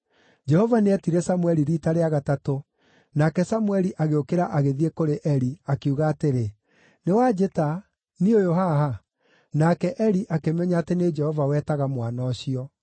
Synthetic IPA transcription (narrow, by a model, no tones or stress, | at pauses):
d͡ʒɛhɔvaneɛtiɾɛsamuwɛɾiɾiːtaɾeaɣatato | nakɛsamwɛɾiʔaɣeokeɾaʔaɣeðiekoɾeʔɛɾiakeuɣaːteɾe | newad͡ʒeta | niojoɦaha | nakɛʔɛɾiʔakemɛɲaːtened͡ʒɛhɔvawɛːtaɣamwanɔɕiɔ